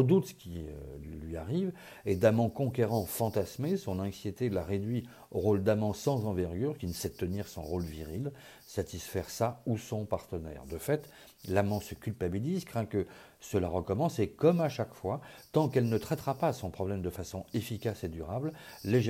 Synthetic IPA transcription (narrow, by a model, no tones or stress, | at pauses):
əd̪ut̪sə̥kʲḭlɥiaʁiv | ɛd̪amɑ̃kɔ̃k̬ʲeʁɑ̃fɑ̃t̪asmesɔ̃nɑ̃ksjet̪elaʁed̪ɥi | oʁold̪amɑ̃sɑ̃zɑ̃vɛʁɡʲyʁkʲinəsɛt̪ːəniʁsɔ̰̃ʁolviʁil | sat̪isfɛʁsausɔ̃paʁt̪ənɛ̰ʁd̪əfɛt̪ | lamɑ̃səkʲylpabilizkχɛ̃kə | səlaʁəkɔmɑ̃sekɔmaʃakfwat̪ɑ̃kɛlnət̪χɛt̪χapasɔ̃pχɔblɛmd̪əfasɔ̃efikʲased̪yʁablleʒ